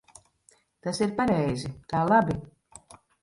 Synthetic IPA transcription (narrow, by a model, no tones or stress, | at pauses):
t̪asiɾpaɾɛjzik̪aːlˠabi